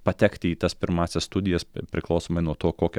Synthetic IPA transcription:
pɐt̪ʲɛkt̪ʲɪiːt̪ɐspʲɪɾmɑːsʲɛsst̪ʊd̪ʲɪjɛspʲɾʲɪklˠɐʊsoːmɐɪnuɔt̪oːkoːkʲɛ

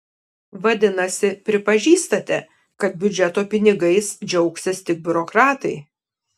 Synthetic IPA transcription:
ʋɐd̪ʲɪnɐsʲɪpʲɾʲɪpɐʒʲiːst̪ɐt̪ʲɛ | kɐt̪̚bʲʊd͡ʒʲɛt̪oːpʲɪnʲɪɡɐɪsd͡ʒʲɛʊksʲɪst̪ʲɪk̚bʲʊɾɔkɾɑːt̪ɐɪ

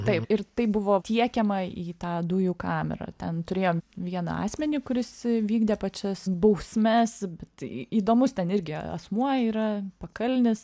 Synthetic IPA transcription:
t̪ɐɪpɪrt̪ɐɪbʊʋoːtʲiɛkʲɛmɐiːt̪ɑːd̪ʊjuːkɑːmʲɛ̰ɾɐ̰t̪ʲɛnt̪ʊɾʲeːjoːmʋʲiɛnɐ̰ɑ̰ːsʲmʲɛnʲɪkʊɾʲɪsʋʲiːɡd̪ʲeːpɐt͡ʃʲɛsbɐʊsʲmʲɛsbʲɛt̪iːd̪oːmʊst̪ʲɛnɪɾʲɡʲɪɐ̰smuɔiːɾɐpɐkɐlʲnʲɪs

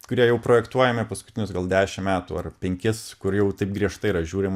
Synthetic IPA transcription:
kʊɾʲiɛjɛʊpɾoːjɛkt̪uɔjɛmʲɪpɐskʊt̪ʲɪnʲʊsɡɐlˠd̪ʲæːʃʲɪmmʲæːt̪ṵɐrpʲɛŋʲkʲɪskʊɾjɛʊt̪ɐɪpɡɾʲiɛʃt̪ɐɪiɾɐʒʲuːɾʲɪm

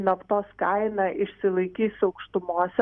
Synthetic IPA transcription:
nɐpt̪oːskɐɪnɑʔɪʃʲsʲɪlˠɐɪkʲiːsɐʊkʃt̪ʊmoɔːsʲɛ

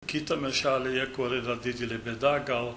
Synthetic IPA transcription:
kit̪ɐmɛʃalejakoɾed̪ad̪id̪ilebɛd̪aɡal

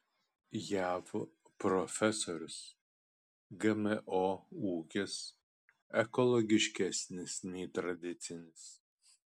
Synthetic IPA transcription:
jæːʋo | pɾɔfʲɛsoɾʲʊs | ɡɐmʲɛʔouːkʲɛs | ɛkɔlˠɔɡʲɪʃʲkʲæsʲnʲɪsnʲɛɪt̪ɾɐd̪ʲɪt̪sʲɪnʲɪs

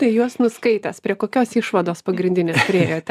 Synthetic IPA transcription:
t̪ɐɪjuɔsnʊskɐɪt̪ʲɐspʲɾʲiɛkoːkʲoːsiʃʋɐd̪oːspɐɡɾʲɪnʲdʲɪnʲeːspʲɾʲɪeːjoːt̪ʲ

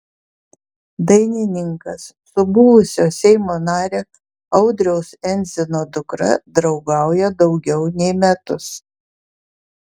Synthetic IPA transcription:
d̪ɐɪnʲɪnʲɪŋkɐsːʊbʊʋʊsʲoːsʲɛɪmoːnɑːɾʲeː | ɐʊd̪ʲɾʲɛʊsɛnʲzʲɪnoːd̪ʊkɾɐ̰d̪ɾɒʊɡɑˑʊjɛd̪ɒʊɡʲɛʊnʲɛɪmʲɛt̪ʊs

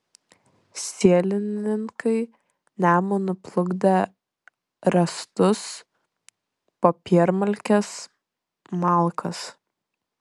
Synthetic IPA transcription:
sʲiɛlʲɪnʲɪŋkɐɪ | nʲæːmonʊplˠʊɡd̪ʲɐ | ɾɐst̪ʊs | popʲiɛɾmɐlʲkʲɛs | mɑˑlˠkʰɐs

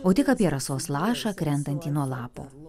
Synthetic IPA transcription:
oːt̪ʲɪkɐːpʲiɛɾɐsoːslˠɑːʃɑːkɾʲɛnt̪ɐnʲt̪ʲiːnuɔlˠɑːpo̰ː

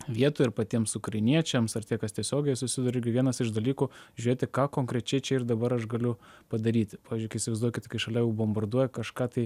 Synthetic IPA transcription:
ʋʲiɛt̪oːɪɾpɐt̪ʲiɛmsʊkrɐɪnʲiɛt͡ʃʲɛmsɐrt̪ʲiɛkɐst̪ʲiɛsʲoːɡʲɛɪsʊsʲɪd̪ɐɾʊɪɾʲɡʲɪʋʲiɛnɐsɪʃd̪ɐlʲiːkuːʒʲʉɾʲeːt̪ʲɪkɑːkoːŋkɾʲɛt͡ʃʲɛɪt͡ʃʲɛɪrd̪ɐbɐɾɐʃɡɐlʲʊpɐd̪ɐɾʲiːt̪ʲpɑːʋʲiːzd͡ʒʊkɐɪɪsʲɪʋɐɪzduɔjkʲɪt̪ɪkɐɪʃɐlʲɛjɛʊbombɐrd̪uɔjɛkɐʃkɑːt̪ɐɪ

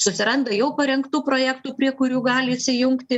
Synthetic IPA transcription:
sʊsʲɪɾɐnd̪ɐjɛʊpɐɾʲɛŋkt̪uːpɾoːjæːkt̪uːpʲɾʲiɛkʊɾʲuːɡɑːlʲɪɪʃʲsʲɪjʊŋkt̪ʲɪ

